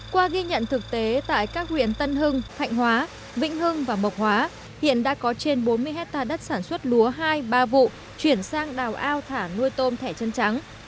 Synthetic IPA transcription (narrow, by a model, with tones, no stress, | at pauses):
kwaː˧ɣi˧ɲə̰˧˨nt̪ʰɨ˨˩k̚t̪e˨˦t̪a̰ː˧˨jkaː˦˥k̚hwḭ˧˨ənt̪ə˧nɦɨ˧ŋt̪ʰa̰˧˨jŋ̟hwaː˨˦ | vḭ˧˥ŋ̟ɦɨ˧ŋvaː˨˩mə˨˩wk͡p̚hwaː˨˦ | hḭ˧˨ənɗa̰ː˧˥kɔ˨˦t͡ɕe˧nɓo˨˦nmɨ˧əjɦɛ˦˥k̚t̪aː˧ɗə˦˥t̚saː˧˩nswə˦˥t̚lu˨˦əɦaː˧jɓaː˧vṵ˧˨ | t͡ɕwi˧˩ənsaː˧ŋɗaː˨˩wʔaː˧wt̪ʰaː˧˩nu˧jt̪o˧nt̪ʰɛ˧˩t͡ɕə˧nt͡ɕa˨˦ŋ